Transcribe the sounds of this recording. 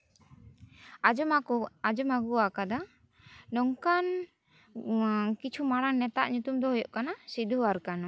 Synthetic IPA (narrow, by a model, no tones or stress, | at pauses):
ad͡ʒɔmaɡuakad̪a | nɔŋkan | kit͡ʃʰumaɽaŋːɛt̪a̰ʔɲut̪umd̪ɔɦɔjɔ̰ʔkanasid̪uaɾkan